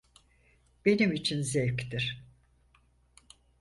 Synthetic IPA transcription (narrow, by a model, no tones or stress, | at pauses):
b̥e̞nimit͡ʃʰinzɛvct̪iɾ̥